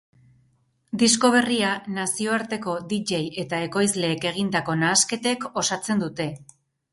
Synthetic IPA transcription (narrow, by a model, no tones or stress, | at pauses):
d̪isko̞β̞e̞rianasio̞aɾt̪e̞ko̞d̪iʎe̞je̞t̪ae̞ko̞jzle̞ːke̞ɣ̞ind̪ako̞naːske̞t̪e̞ko̞sat͡se̞nd̪ut̪e̞